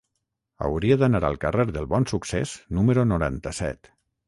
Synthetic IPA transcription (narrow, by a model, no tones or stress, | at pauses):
ə̰wɾiəðənaɾa̰lˠkəreɾðəlˠβɔnsuksḛznuməɾunuɾa̰nt̪əsɛ̰t̪